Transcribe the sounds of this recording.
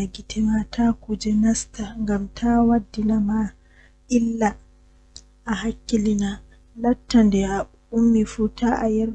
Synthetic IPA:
aɡitʰimatʰakud͡ʒɛnastaŋɡamtʰawadːinama | ʔɪlːa | ʔahakʲːilina | latːandɛa | ʔumːifuːtaʔajɛɾ

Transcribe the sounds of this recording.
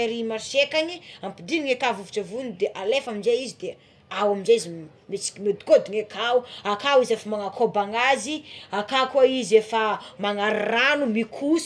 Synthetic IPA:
aɾimaʃekaɲiampid̪iniŋekavuviʈ͡ʂavunid̪eʔalefaminzejizid̪e | awaminzeizi | met͡si̥kʲimed̪i̥kod̪iŋekʰauakawizefamaŋakʰobaŋaziakakaizefamaŋaɾiranumikʰus

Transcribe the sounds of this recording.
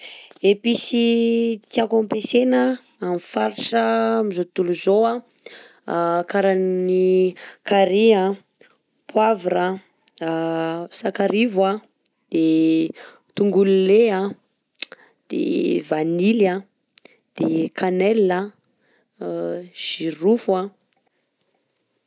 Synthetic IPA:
episit̪iakompesenə | amifaɾiʈ͡ʂəmizot̪uluzoa | kaɾannikaɾia | pʰwavɾa | sakaɾivwa | d̪̥e | t̪uŋɡululea | d̪̥ḛvanila | d̪̥ekʰanɛla | ʒ̥iɾufua

